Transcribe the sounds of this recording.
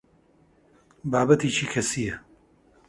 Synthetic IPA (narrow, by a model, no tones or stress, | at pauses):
baːbɐt̪iːt͡ʃʰiːkʰɐsijɛ